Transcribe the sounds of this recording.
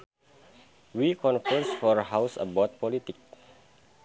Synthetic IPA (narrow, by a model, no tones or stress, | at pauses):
wikʰɔ̃nfəsfɔrɦawsə̰bɔt̪̚pɔlit̪ik̚